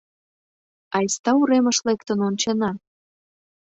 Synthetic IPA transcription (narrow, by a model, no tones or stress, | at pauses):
ɑjst̪ɑuɾeməʃlekt̪ənonʲt͡ɕenɑ